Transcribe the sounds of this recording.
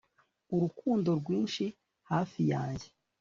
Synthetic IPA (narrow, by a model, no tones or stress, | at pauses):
uɾukuːndo̞ɾɡwiːnʃi | haːfijaːɲɟe